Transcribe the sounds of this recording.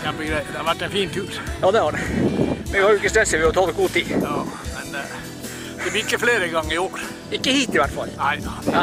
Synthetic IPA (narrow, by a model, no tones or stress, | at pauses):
jæbəɡɾɛɪd̪ɛhɑɾʋæʈːɛɪnfiːnt̪ʰʉːɾjɑːd̪ɛhɑɖɛmɛnɛɡhɑɾjʊɪkːəst̪ɛlsəʋɪɑt̪ʰɑːd̪əɡuːt̪ʰiːɑːmɛn | d̪ɛʋɪkəfleːɾəɡɑŋːəɪoːɾ | ɪkːəhiːt̪ɪʋæɾʈːfɑ̰lːæɪ